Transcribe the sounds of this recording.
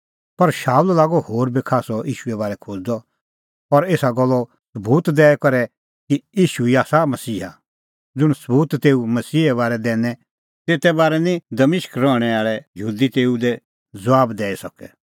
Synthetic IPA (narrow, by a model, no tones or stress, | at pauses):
pɐɾʃaːullaːɡɔhoːɾbikʰaːsɔiːʃʊɛbaːɾɛkʰoːd͡zd̪ɔ | ɔɾeːsaɡɔlːɔ | səbuːt̪d̪ɛːɛkɐɾɛ | kiiːʃuiaːsamɐsiːɦa̰ | d͡zʊɽ̃səbuːt̪t̪ːeːumɐsiːɦɛβaːɾɛd̪ɛːnɛ | t̪eːt̪ɛbaːɾɛnĩd̪ɐmɪʃkɾɔːɽ̃ɛaːɭɛjəɦuːd̪it̪eːud̪ɛ | d͡zɐʋaːbd̪ɛːisɐkɛ